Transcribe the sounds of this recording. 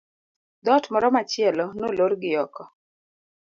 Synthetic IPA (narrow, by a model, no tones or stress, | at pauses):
d̪ɔtmɔɾɔmat͡ʃɪɛlɔnoloɾɡɪɔkɔ